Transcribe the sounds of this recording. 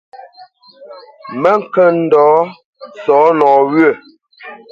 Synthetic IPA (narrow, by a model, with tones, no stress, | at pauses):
mə˦ŋ̩˦kə˦n̩˦dɔː˨˦ | sɔː˨˦nɔː˨wɥə˦˨